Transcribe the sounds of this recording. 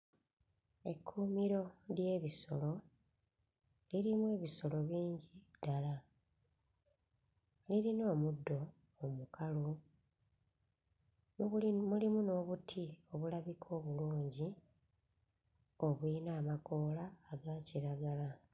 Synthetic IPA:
e̞kʰːuːmiɾo̞lje̞ːβiso̞lo̞ | liɾimwe̞ːβiso̞lo̞βiːɲɟid̥ala | liɾino̞ːmudːo̞ː | mukalu | mulimuno̞ːβutʰio̞βulaβikʰo̞ːβuluːɲɟi | o̞βwinaːmako̞ːlaːɡaciɾaɡala

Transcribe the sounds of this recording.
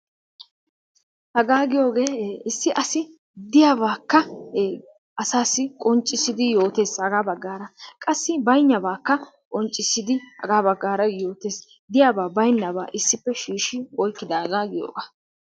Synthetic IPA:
hɐɡaːɡɪjo̞ːɡe̞ːɪsːɪʔɐsɪ | d̪ɪjaːβaːkːɐ | ʔɐsaːsɪkʼɔnt͡ʃʼːɪsɪd̪ɪjo̞ːt̪e̞ːshɐɡaːbɐɡːaːɾɐkʼɐsːɪbɐjnːɐbaːkːɐ | kʼɔnt͡ʃʼːɪsːɪd̪ɪhɐ̰ɡaːbɐɡːaːɾɐjo̞ːt̪e̞ːs | d̪ɪjaːbaːbɐjnːɐba̰ːʔɪsːɪpːɛʃiːʃɪwɔjkːɪd̪ɐhɐɡaːɡɪjo̰ːɡaː

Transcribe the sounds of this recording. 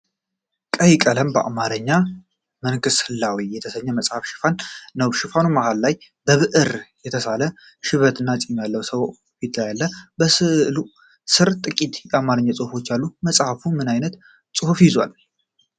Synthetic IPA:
kʼəjkʼələmbəa̰maɾəɲːa | mənkɨshɨlːawijːɛt̪ʰəsəɲːɛməsʼhafʃɪ̥fanːəwʃɪfanumahalːaj | bəβɨʔɨɾjɛt̪ʰəsalə | ʃɪβət̪ʰɨnːat͡sʼimjalːəwsəw | fit̪ʰlajalːəbəsɨlu | sɨɾt̪ʼɨkʼit̪jɛamaɾəɲːasʼɨhufo̞t͡ʃːalːuməsʼhafumɨnajnət̪ | sʼɨhufjɪzwa̰l

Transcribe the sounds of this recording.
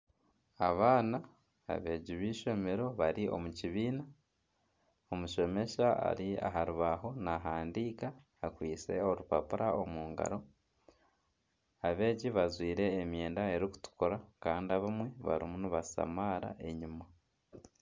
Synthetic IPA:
aβaːna̰ː | βe̞ɟiβiːʃo̞me̞ɾo̞βaɾiʔo̞̰muciβiːna | omuʃo̞me̞ʃaa̰ɾia̰ɦaɾuβaɦo̞naɦaːndiːkaː | kwiːt͡se̞̰o̞ɾupapuɾʔaomuːŋɡa̰ɾo | aβe̞ːɟiβazwiːɾe̞ːmje̞ːndae̞ɾiku̥tu̥koɾakaːndiaβamwe̞βa̰ɾimuniβasa̰maːɾa̰ʔe̞ɲima

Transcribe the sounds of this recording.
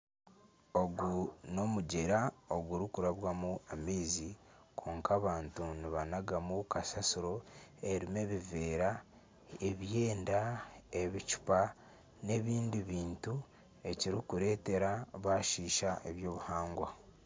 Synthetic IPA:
o̞ɡuno̞muɟeɾao̞ɡuɾikuɾaβwamuameːzikʰo̞ːŋkaːβaːntuniβanaɡamukasasuɾo̞e̞ɾime̞βive̞ːɾa | eβje̞ːndae̞βit͡ʃu̥pa | ne̞βiːndiβiːntu | e̞ciɾikuɾe̞ːte̞ɾaβaʃiːʃaʔeβjo̞ːβuhaːŋɡwa

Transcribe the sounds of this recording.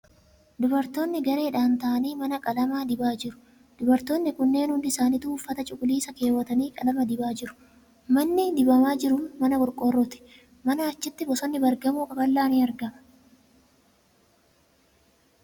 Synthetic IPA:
d̪ʊbɐɾt̪o̞ːnːɪɡɐɾe̞ːᶑaːnt̪ɐʔɐniːmɐnɐkʼɐlɐmaːd̪ɪbaːd͡ʒɪɾʊ̥ | d̪̥ʊbɐɾt̪oːnːɪkʊnːe̞ːnhʊnd̪ɪsaːniːt̪uːfːɐt̪ɐt͡ʃʼʊkʼʊliːsɐke̞ːwːɐt̪ɐniːkʼɐlɐmɐd̪ɪbaːd͡ʒɪɾʊ̥ | mɐnːɪd̪ɪbɐmaːd͡ʒɪɾʊnmɐnɐkɔɾkʼorːɔt̪ɪ̥ | mɐnɐɐt͡ʃːɪt̪ːɪbɔsɔnːɪbɐɾɡɐmuːkɐbɐlːaːniːɐɾɡɐmɐ̥

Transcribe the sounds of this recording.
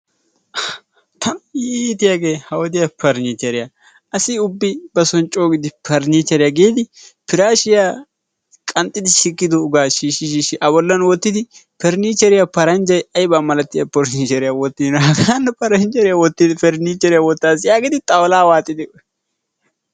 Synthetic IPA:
t̪ʰɐnit̪ɪjaɡeːhɐwɔd̪ɪjapʰɐɾniːt͡ʃɛɾɪja | ɐsɪʊbːɪbɐsɔnt͡ʃʼoːɡɪd̪ɪpʰɐɾnit͡ʃːɛɾɪjaɡeːd̪ɪpɪɾaːʃɪjaː | kʼɐnt̪ʼːɪd̪ɪʃɪkːɪd̪ɔɡaːʃiːʃɪʃiːʃɪʔɐbɔlːɐnwɔt̪ːɪd̪ɪpɛɾniːt͡ʃːɛɾɪjapɐɾɐnd͡ʒɐjɐjbaːmɐlɐt̪ːɪjɐpɔɾniːt͡ʃɛɾɪjawɔt̪ːɪd̪ɪnɦɐɡaanːɛpɐɾɐnt͡ʃɛɾɪjawɔt̪ːɪd̪ɪpɛɾniːt͡ʃːɛɾɪjawɔt̪ːaːzɪjaːɡɪd̪ɪt̪ʼɐwɔlaːwaːt̪ʼːɪd̪ɪ

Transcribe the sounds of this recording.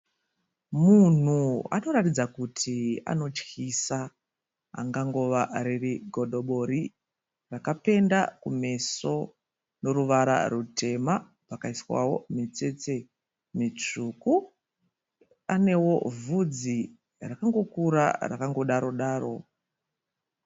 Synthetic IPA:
mun̤ua̰no̞ratid͡zakutʰia̰no̞t͡ʃkisa | a̰ŋɡaŋɡo̞ʋaɾeriɡʱo̞ɗo̞ɓo̞ɾi | rakape̞ndakume̞so̞ | no̞ɾuʋaɾa̰rutʰe̞ma | pakaiswa̰wo̞̰mit͡se̞t͡se̞ | mit͡ʂuku | ane̞wo̞vud͡zi | rakaŋɡo̞kuɾa̰ra̰kaŋɡo̞ɗaɾo̞ɗaːro̞̰

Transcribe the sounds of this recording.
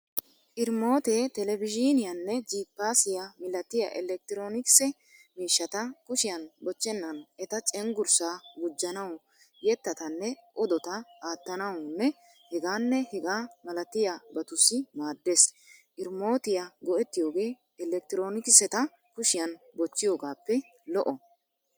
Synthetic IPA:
ʔɪɾmo̞ːt̪eːt̪ɛlɛbɪd͡ʒinɪjɐnːɛd͡ʒiːpːaːsɪjɐmɪlːɐt̪ːɪja̰ʔɛlɛk̚t̪ɪɾo̞ːnɪkɪ̥sɛ | miːʃːɐt̪ɐkʊʃɪjɐnbɔt͡ʃːɛnːɐnɛt̪ɐt͡ʃʼɛŋɡʊɾsaːɡʊd͡ʒːɐnɐwɔ | jɛt̪ːɐt̪ɐnːɛʔɔd̪ɔt̪ɐaːt̪ːɐnɐwʊnːɛ | hɛɡaːnːɛhɛɡaːmɐlɐt̪ːɪjabɐt̪ʊsɪmaːd̪ːeːsʔɪɾmo̞ːt̪ɪjaɡɔɛt̪ːɪjo̞ːɡe̞ː | ɛlɛk̚t̪ɪɾo̞ːnɪkɪsɛt̪ɐ | kʊʃɪjɐn | bɔt͡ʃːɪjo̞ːɡaːpːɛ | lɔʔɔ

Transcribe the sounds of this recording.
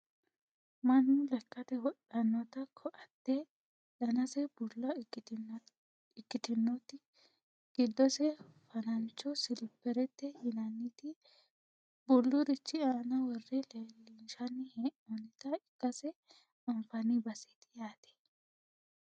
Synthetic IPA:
mɐnːʊlɛkːɐt̪ɛwɔɗɐnːɔt̪ɐkʰɔʔɐt̪ːɛ | dɐnɐsɛb̥ʊlːɐ | ɪkːɪt̪ɪnːɔt̪ɪ | ɡ̥ɪd̪ːɔsɛfɐnɐnt͡ʃːɔsɪlpːɛɾɛt̪ːɛhɪnɐnːɪt̪ɪ | bʊlːʊɾɪt͡ʃːɪaːnɐwɔrːɪlelɪʃɐnːɪheʔɔnɪt̪ɐɪkːɐsɛ | ɐmfɐnɪbɐsɪ̥t̪ɪ̥jaːt̪ɛ̥

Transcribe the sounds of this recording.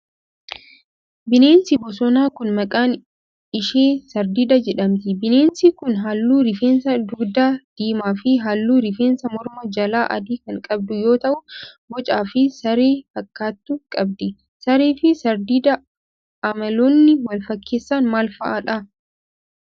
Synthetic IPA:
bɪne̞ːnsɪbɔs̬ɔnaːkʊnmɐkʼaːn | ɪʃeːsɐɾd̪ɪd̪ɐd͡ʒɛᶑɐmt̪ɪbɪne̞ːnsikʊnɦaːlːuːɾɪfeːnsɐd̪ʊɡd̪aːd̪̥iːmaːfɪɦalːuːɾɪfeːnsɐmɔɾmɐd͡ʒɐlaːʔɐ̰d̪iːkɐŋkʼɐb̚d̪ʊjo̞ːt̪ɐʔʊbɔt͡ʃʼaːfɪsɐɾeːfɐkːaːt̪ːʊkʼɐbd̪ɪ | sɐɾeːfɪsɐɾd̪ɪd̪ɐ | ɐmɐloːnːɪwɐlfɐkʰːe̞ːsːaːnmaːlfɐʔaᶑɐ

